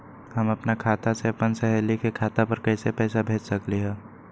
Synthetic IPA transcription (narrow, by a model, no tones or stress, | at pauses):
həmɐpnakʰaːt̪aseɐpənsɛɦɛlikekʰaːt̪apɐɾkɛɪsepɛːsabʱeːt͡ʃsɐkliɦɛ̃ː